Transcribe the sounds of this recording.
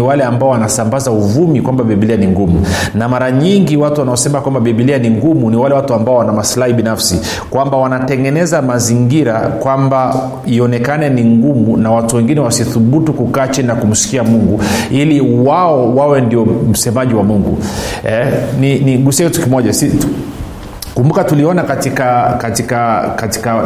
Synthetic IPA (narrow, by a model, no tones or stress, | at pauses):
iwalɛambaɔwanasambazauvumikwambaɓiɓilianiŋɡumu | namaɾaɲiŋɡiwatuwanaɔsɛmakwambaɓiɓilianiŋɡumuniwalɛwatuambaɔwanamaslahiɓinafsi | kwambawanatɛŋɡɛnɛzamaziŋɡiɾakwamba | iɔnɛkanɛniŋɡumunawatuwɛŋɡinɛwasiθuɓutukukat͡ʃinakum̩si̥kiamuŋɡuiliwaɔwawɛndiɔm̩sɛmaʄiwamuŋɡṵɛniniɡusiakitukimɔʄasi | kumbukatuliɔnakatikakatikakati̥ka